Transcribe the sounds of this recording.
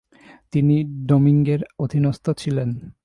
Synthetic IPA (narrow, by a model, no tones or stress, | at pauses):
t̪iniɖomiŋɡeɾod̪ʱinost̪ot͡ɕʰilen